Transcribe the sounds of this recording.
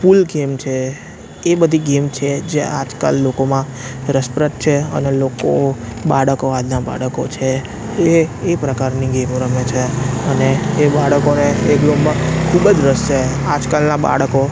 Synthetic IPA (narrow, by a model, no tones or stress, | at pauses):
pulɡemt͡ʃʰe | ebəd̪ʱiɡemt͡ʃʰed͡ʒeʔa̰d͡ʒka̰lːokomã | ɾəspɾət̚t͡ʃʰeə̰nelokobaɽəkoad̪naba̰ɽəkot͡ʃʰeː | pɾəkaɾniɡemõɾəmet͡ʃʰeəneːbaɽəkoneeklombkʰubəd͡ʒɾəse | ad͡ʒkalnaba̰ɽəko